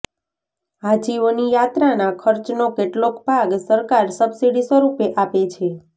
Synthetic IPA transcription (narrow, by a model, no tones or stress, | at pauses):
ad͡ʒiʋonijat̪ɾanãkʰəɾt͡ʃnokeʈlokbʱaɡsəɾkaɾsəbsiɽisəɾupeʔapet͡ʃʰe